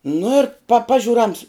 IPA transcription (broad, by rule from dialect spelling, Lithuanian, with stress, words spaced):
nʊ ɪr pɐ ˈpɑːʒʲʊr ɐns